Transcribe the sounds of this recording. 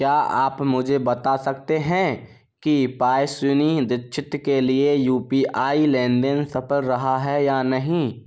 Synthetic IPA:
kjaːaːpmʊd͡ʒʱebɐt̪asɐk̚t̪eɦɛ̃ | kipaːjsʊnid̪ɪtʃʰɪt̪keliejuːpiʔaːilɛ̃ːnɖ̪ensɐpʰəlɾɐɦaɦɛjaːnɐɦĩ

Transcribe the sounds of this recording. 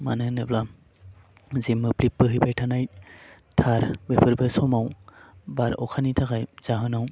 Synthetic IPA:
ma̰nɯnɯbla | zimːɯplip̚bɯɦɯjbajtʰanaj | tʰaɾbepʰɯɾbesɔmawbaɾɔ̰kʰanitʰakajz̥aɦɯnaw

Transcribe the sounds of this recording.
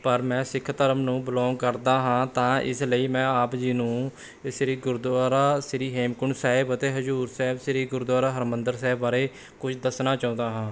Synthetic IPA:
pəɾmɛ̃ːsɪkʰt̪əɾəmnũːbəlɔ̃ːŋɡkəɾd̪aːɦãːt̪ãːʔɪ̰sləiːmɛ̃ːaːpd͡ʒiːnũː | sɪɾiːɡʊɾd̪aːɾaːsɪɾiːɦeːmkʊɳsaːɪbət̪eːɦəzuːɾsɛːbsɪɾiːɡʊɾd̪aːɾaːɦəɾmənd̪əɾsɛːbaːɾeː | kʊt͡ʃʰd̪əsnaːt͡ʃaːũːnd̪aːɦãː

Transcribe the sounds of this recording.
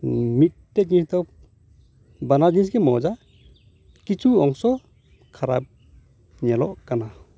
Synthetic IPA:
mitteɡist̪ɔ | banaɡins̬ɡemɔd͡ʒa | kit͡ʃuɔŋsɔ | kʰaɾa̰p̚ | ɲelɔʔkana

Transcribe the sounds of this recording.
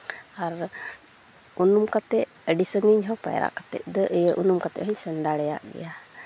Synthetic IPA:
aɾ | unumkat̪ɛʔ | əɖisəŋiɲɦɔpa̰j̰ɾʔa̰ʔkat̪ɛ̰ʔ̪̚ˀd̪əʔəjəʔunumkat̪ɛ̰ʔɦəɲsɛnd̪aɽɛja̰ʔɡɛ̰ja

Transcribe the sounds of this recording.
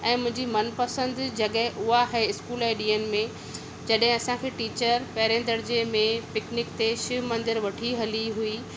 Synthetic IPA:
ɛ̃ːmʊ̃ɦɪ̃ɲd͡ʑimɐnpɐsə̃nd̪d͡ʑɐɠɛɦʔʊɦaɦeɪskuːlɛːɗiːənɪ̆mẽ | d͡ʑɐɗɦɪ̃ɐsãkʰeːʈiːt͡ɕəɾpɛːɾẽːnd̪əɾd͡ʑemẽpɪknɪkt̪eʃɪʋmɐ̃nd̪ɪɾʋɐʈʰiɦɐliɦui

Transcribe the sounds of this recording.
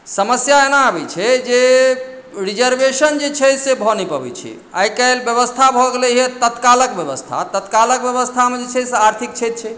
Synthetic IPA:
səməsjaenaəbɛt͡ʃʰɛd͡ʒe | ɾid͡ʒəɾbesənd͡ʒet͡ʃʰɛsebʱɔnipəbɛ̰t͡ʃʰɛ̰ | a̰jkəelbjəβəst̪ʰabʱɔɡelɛɦet̪ət̪kaləkbjəβəst̪ʰa̰t̪ət̪kalək̚bjəβəst̪ʰamed͡ʒet͡ʃʰɛseaɾt̪ʰik̚t͡ʃʰɛt̪̚t͡ʃʰɛ

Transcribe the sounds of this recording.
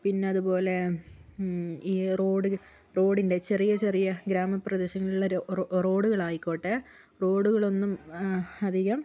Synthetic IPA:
pinːe̞ɐðubo̞ːle̞ | iːro̞ːɽu | ro̞ːɽinde̞t͡ɕe̞rijɐt͡ɕe̞rijɐɡɾaːmɐpːrɐd̪eɕɐŋːɐluɭːɐro̞ːɽuɣɐɭaːjikːoːʈːe | ro̞ːɽuɣɐɭo̞nːumɐd̪ʱiɣɐm

